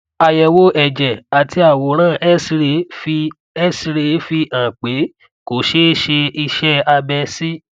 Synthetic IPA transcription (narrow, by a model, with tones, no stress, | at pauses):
a˧jɛ˧wo˦ʔɛ˨d͡ʒɛ˨a˨tʰi˧˦a˦˨wo˨˦ɾ̃ãː˦˨ɛ˦si˧ɾe˧˦ | si˧ɾe˧˦fi˧ʔã˨k͡pe˨˦ | ko˨ʃe˦ʃe˧i˧ʃɛ˦a˧bɛ˧si˦